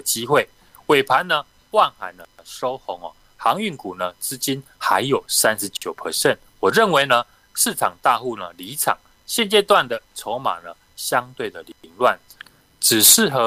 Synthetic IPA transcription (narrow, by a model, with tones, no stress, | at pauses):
t͡ɕi˦˥xwe˥˩ɪ | we˨˩ɪpʰa˨˦nːə˧ | wa˥˨nxa˨˩ɪnə˨ʂo˥ʊxo˧˥ŋɔ̰˨ | xɑ˧˦ŋy˥˩ŋku˨˩nə˦t͡sɹ̩˥t͡ɕi˦nxa˧˦ɪjo˨˩ʊsa˦˥nʂ̩˨˧˦t͡ɕjo˨˩ʊpʰə˨˩ɕjɛ˥˨n | wɔ˨˩ɻə˥˨nwe˧˦ɪnə˧ | ʂɻ̩˥˨ʈ͡ʂʰɑ˨˩ŋt̪a˥˧xu˥˧nə˩li˧˦ʈ͡ʂʰɑ̰˨˩˦ŋ | ɕjɛ˥˧nt͡ɕjɛ˥˧t̪wa˥˨nd̪ə˨t͡sʰo˧˥ʊma̰˨˩nə˦ | ɕjɑ˦ŋt̪we˥˩ɪd̪ə˨li˨˧˦ŋlwa˥˩n | t͡sɻ̩˨˩ʂɻ̩˥˩xɤ˧˦